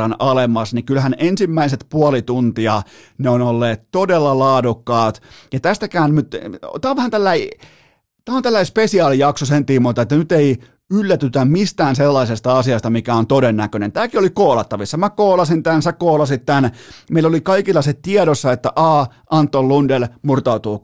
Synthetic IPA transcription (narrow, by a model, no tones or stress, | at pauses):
ɑnɑlemɑsnikylhænensimːæiset̪puɑlit̪unt̪iɑ | neonolːeːt̪t̪odelːɑlɑːdukːɑːt̪jɑt̪æst̪ækæːnmyt̪t̪æːoʋæhænt̪ælːæi | t̪æːont̪ælːæispesiɑːlijɑksosent̪imːot̪ɑet̪ːænyt̪ei | ylːæt̪yt̪æmist̪æːnselːɑisest̪ɑɑsiɑst̪ɑmikæont̪odenːækønḛnt̪æːkiolikoːlɑt̪ːɑʋisːɑmækoːlɑsint̪ænsækoːlɑsit̪t̪ænmeilːolikɑikilːɑset̪iedosːɑet̪ːæʔɑː | ʔɑnt̪ːollundelmurt̪ɑut̪uː